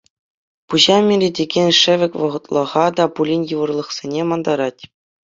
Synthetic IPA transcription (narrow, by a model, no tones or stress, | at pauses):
puʑɑmʲiɾʲedʲeɡʲenʲʂɘ̆ʋʲɘ̆kʲʋɤ̆ʁɤ̆t̪lˠɤ̆ʁɑd̪ɑpulʲinʲjɯʋɤ̆rlˠɤ̆χsʲenʲemɑnd̪ɑɾɑtʲ